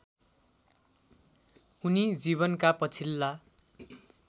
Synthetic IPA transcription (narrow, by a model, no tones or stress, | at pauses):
unid͡ziβʌnkapʌt͡sʰilːa